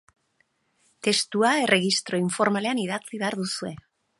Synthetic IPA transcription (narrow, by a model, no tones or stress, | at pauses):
t̪e̞st̪uaerʔe̞ɣist̪ɾo̞iɱfo̞ɾmale̞aniðat͡siβe̞aɾðusue̞